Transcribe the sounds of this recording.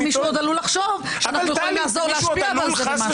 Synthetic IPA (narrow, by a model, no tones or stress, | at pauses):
miʃod̪alulaχʃov | aanaχnujeolimlazoʁleaʃpiavalzelema